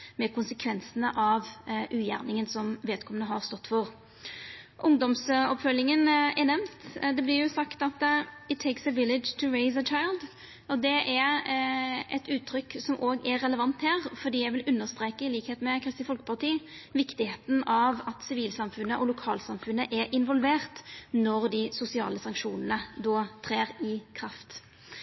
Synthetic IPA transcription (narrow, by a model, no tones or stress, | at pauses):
mɛkʊnsəkʰʋɛnsənəʔɑʋʔʉːjæ̰ʁnɪŋənsɔmʋeːd̪kʰɔmːənəɦɑʁst̪ɔt̪ːfɔʁ | ʔʊŋd̪ɔmsɔpfœlɪŋənɛnɛmnt̪d̪ɛblɪjʊsɑkt̪ɑt̪ɪt̪ʰːeɪksəʋɪlɪdd͡ʒt̪ʰʊɾeɪsət͡ʃʰaɪlˠd̪ | ɔd̪ɛʔɛɾ | ɛ̰t̪ʉːt̪ʰːɾʏksɔmʔoːɡɛːɛləʋɑnt̪hæːʁfɔd̪iːjæɪʋɪlʉnːəʁst̪ɾeːkəɪliːkheːt̪mɛkʰʁɪst̪ɪfɔlkə̥pʰɑʁt̪iːʋɪkt̪ɪheːt̪n̩ɑʋɑt̪sɪʋiːlsɑmfʉnːəʔɔlʊkʰɑ̰ːlsɑmfʉnːəʔɛɾʔɪnʋɔlʋeːʁt̪nɔʁd̪ɪsʊsɪɑ̰ːləsɑŋkʂuːnənəd̪oːt̪ʰʁeːɾɪkʰɾɑft̪